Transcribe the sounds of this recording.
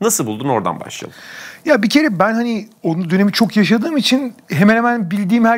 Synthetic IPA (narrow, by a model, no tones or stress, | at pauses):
nasɯlˠbulˠd̪uno̞ɾd̪a̰nba̰ʃlˠa̰lˠɯjabicʰe̞ɾɛbænhanio̞nud̪øne̞mit͡ʃʰo̞kjaʃ̬ad̪ɯːmit͡ʃʰinɦemɛnhemænbilʲd̪iːmhæ